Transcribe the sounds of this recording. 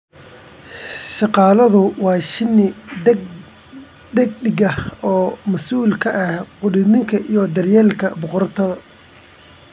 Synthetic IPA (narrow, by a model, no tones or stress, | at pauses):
ʃɑqɑːlɐðʊwɑːʃɪnɪ | d̪ɛɡ̚ɖɪɡɐhɔːmɐsuːlkʰɐʔɐhqʊɽɪnɪŋkʰɐʔijɔd̪ɐrjɛːlkʰɐbʊqɔrt̪ʰɐðɐ